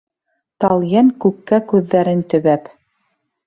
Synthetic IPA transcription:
t̪ɑlˠjæŋkʉkːækʉðːæɾɘnt̪ɵ̆βæp

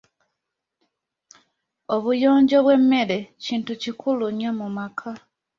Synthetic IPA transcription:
o̞βujo̞ːɲɟo̞βwe̞mːe̞ɾe̞ciːntucikʰuluɲomumakʰa

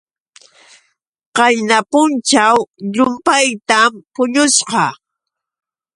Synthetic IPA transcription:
qɑjnapʊnt͡ʃawʎʊmpajt̪ampʊʎʊsqɑ

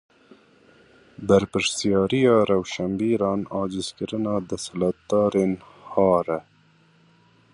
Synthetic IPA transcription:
bɐɾpəɾsijɑːɾijɑːɾawʃɐmbiːɾɑːnɑːd͡ʑiskiɾənɑːd̪ɐsəlɐt̪ːɑːɾin | hɑːɾɐ

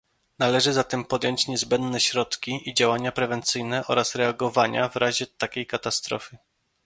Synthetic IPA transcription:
nalɛʐɘzat̪ɛmpɔd̪jɔɲt͡ɕɲɛzbɛnd̪nɛɕɾɔt̪kʲiid͡ʑawaɲapɾɛvɛnt̪sɘjnɛʔɔ̰ɾʔasɾɛaɡɔvaɲa̰vɾaʑɛt̪akʲejkat̪ast̪ɾɔ̰fɘ

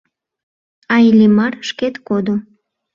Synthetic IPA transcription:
ɑilʲimɑrʃket̪kod̪o

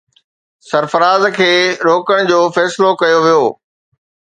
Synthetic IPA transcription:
sɐɾfɐɾaːzkʰeːɾoːkəɽ̃d͡ʑoːfɛːsɪlokɐjoʋijoː

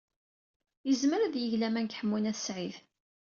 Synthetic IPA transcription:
jəzməɾæðjəʝlæmænkħəmːunæθsʕið

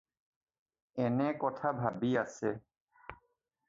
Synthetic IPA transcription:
ɛnɛkɔtʰabʱabiasɛ

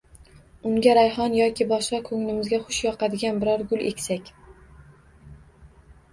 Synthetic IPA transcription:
ʊŋɡʲaɾajhɒnjɒkʲʰɪbɒʃqɑkʰɵŋlɪmɪzɡʲaχʊʃjɒqad̪ɪɡʲanbɪɾɒɾɡʊlḛkʲsakʲ

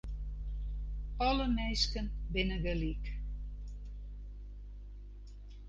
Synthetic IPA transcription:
ɔləmeːskənbɪnədəlik

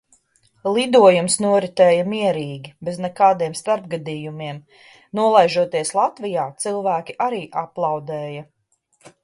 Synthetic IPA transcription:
lˠid̪uɔjumsnuɔɾit̪ɛːjɐmiɛɾiːɡʲibɛznɛkaːd̪iɛmst̪aɾb̚ɡad̪iːjumiɛm | nuɔlˠajʒuɔt̪iɛslˠat̪vijaːt̪silˠvæːkʲiʔaɾiːʔaplˠɑwd̪ɛːjɐ

